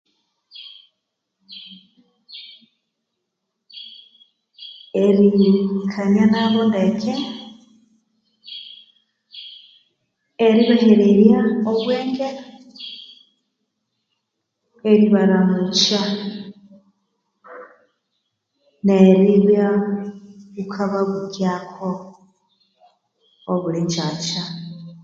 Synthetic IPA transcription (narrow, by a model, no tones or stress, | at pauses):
eɾikʰanjanaβondekʰe | eɾiβaheɾeɾjaoβweːŋɡe | eɾiβaɾamut͡ʃa | neɾiβja | βukʰaβaβuɟjakʰo | oβuliɲd͡ʒaːt͡ʃa